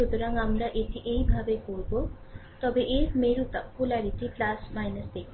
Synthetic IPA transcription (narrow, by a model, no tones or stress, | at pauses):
ud̪uɾaŋɡamɾaʔet̪ʰiʔeɦibʱabekoɾubo | t̪ɔbeʔemeɾut̪pulaɾiʈiplasmajnəsd̪ekʰ